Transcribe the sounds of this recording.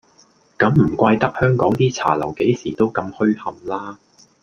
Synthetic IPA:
kɐ˨˧˥mm̩˨˩kʷaː˧jt̪ɐ˥k̚hœː˥ŋkɔː˨˥ŋt̪iː˥t͡sʰa̰ː˨˩lɐ˨˩wke˨˥jsiː˨˩t̪o˥wkɐ˧mhɵ˥ɥhɐ˧mlaː˥

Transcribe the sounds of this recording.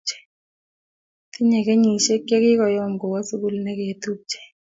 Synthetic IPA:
t͡ʃɛ̥˨ | t̪i˦ɲɛ˨ke˦ɲi˨ʃe˦ke˦kɪ˦kɔ˨jɔ˦˨ŋɡɔ˨wa˦su˦ku˦˨lnɛ˦ke˨t̪u˦t͡ʃɛ̥˨

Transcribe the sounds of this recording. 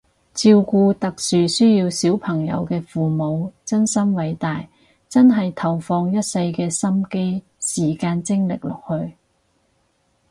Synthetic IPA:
t͡siː˧wkuː˧t̪ɐ˨k̚syː˨sɵː˥jiː˧wsiː˨˥wpʰɐ˨˩ŋjɐ̰˨˧wkɛː˧fuː˨mo˨˧wt͡sɐ˥nsɐ˥mwɐ˨˧jt̪aː˨j | t͡sɐ˥nɦɐ˨jt̪ʰɐ˨˩wfɔː˧ŋjɐ˥t̚sɐ˧jkɛː˧sɐ˥mke˥j | siː˨˩kaː˧nt͡sɪ˥ŋlɪ̰˨k̚lɔ̰ː˨k̚hɵ˧ɥ

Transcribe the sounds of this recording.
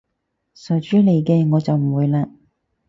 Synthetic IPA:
sœ˨˩t͡ʃyː˨˥le˨jkɛː˧ŋɔː˨˧t͡sɐ˨wm̩˨˩wuː˨˧jlaː˧

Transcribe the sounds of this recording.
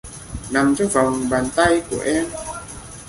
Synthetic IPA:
na˨˩mt͡ɕɔ˧va˨˩wŋ͡mɓaː˨˩nt̪a˧jku˧˩əʔɛ˧m

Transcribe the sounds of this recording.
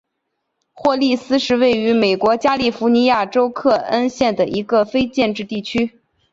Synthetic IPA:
xwɔ˥˧li˥˧˩sɹ̩˥ʂɻ̩˥˧we˥˩ɪy˧˥me˨˩ɪkwɔ˧˥t͡ɕja˥li˥˩fu˧˥ni˧˥ja˥˩ʈ͡ʂo˥ʊkʰɤ˥˩ə˥nɕjɛ˥˩nd̪ə˩ʔi˧˥ɡə˧fe˥ɪt͡ɕjɛ˥˧nʈ͡ʂɻ̩˥˧t̪i˥˩t͡ɕʰy˥

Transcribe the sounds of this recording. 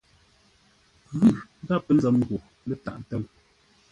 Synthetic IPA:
ɣʉ˦˨˦ɡa˦˨pə˦n̩˦zɛ˨˦m˦ɡo˨ | le˦˨ta̰˨ʔtɛ˦l

